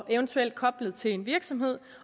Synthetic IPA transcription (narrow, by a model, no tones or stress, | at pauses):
ʔeʊənt͡sʰuel̰d̥̚kʰɒ̽b̥ləð̩ˠt͡sʰe̝le̝nʋiɐɡ̥sɒ̽mɦe̝ð̰ˠ